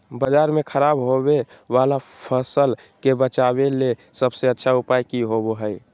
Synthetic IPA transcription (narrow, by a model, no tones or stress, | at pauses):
bəd͡ʒaːɾmekʰəɾabɦobe | ʋalapʰəsəl | kebət͡ʃabelesəbseətːʃʰaupajkiɦoboɦəj